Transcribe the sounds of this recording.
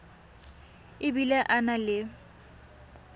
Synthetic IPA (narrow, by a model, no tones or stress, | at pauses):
ɪbilaʔanalɪ